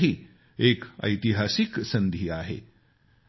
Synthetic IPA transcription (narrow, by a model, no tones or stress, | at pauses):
ɦiː | ekə̰jt̪iɦasiksənd̪ʱiːaɦḛ